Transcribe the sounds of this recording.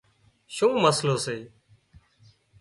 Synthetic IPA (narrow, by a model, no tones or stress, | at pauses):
ʃũːməsloːseː